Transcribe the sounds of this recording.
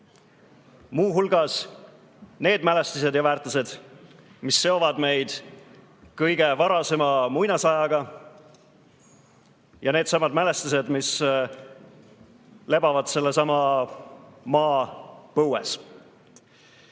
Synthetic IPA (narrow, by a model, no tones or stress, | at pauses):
muːɦulɡɑs | ne̞ːd̪mæle̞st̪is̬e̞d̪jɑvæːrt̪ːˑuse̞d̪̥ | misːe̞o̞vɑd̪me̞jd̪̥ | kɤjɡ̥e̞vɑɾɑse̞mɑmujnɑsɑjɑɡ̥ɑ | jɑneːd̪sɑmɑd̪mæle̞st̪us̬e̞d̪mis | le̞bɑvɑd̪̥se̞lːesɑmɑ | mɑːpɤwes